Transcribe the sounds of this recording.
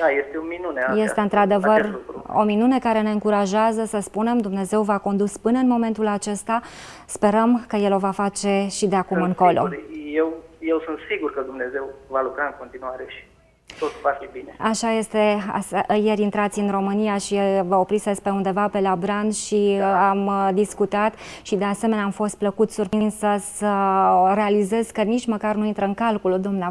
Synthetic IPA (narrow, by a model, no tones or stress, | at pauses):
d̪aje̞st̪eominuneje̞st̪e̞ɨnt̪ɾad̪e̞vərlukuo̞̰minune̞kaɾe̞ne̞ɨŋkuɾaʒazəsəspune̞md̪umne̞ze̞wvako̞nd̪uspɨnəɨnmo̞me̞nt̪ulat͡ʃe̞st̪a | spe̞ɾəmkəje̞lo̞vafat͡ʃe̞ʃid̪e̞akumɨŋko̞lo̞̰jewje̞wsunt̪siɡurkəd̪umne̞ze̞wvalukɾaɨŋko̞nt̪inuaɾe̞ʃi̥ | t̪ot̪vafibineaʃaje̞st̪e̞a̰sje̞ɾʲint̪ɾat̪sʲɨnro̞mɨnijaʃivəo̞pɾitsd̪espɾeund̪e̞vape̞labɾand̪ʃiamd̪iskut̪at̪ʃid̪e̞ase̞me̞neamfo̞st̪̚pləkut̪surpɾinsəsəre̞alize̞zkənit͡ʃ̪məkarnuint̪ɾəɨŋkalkulud̪umne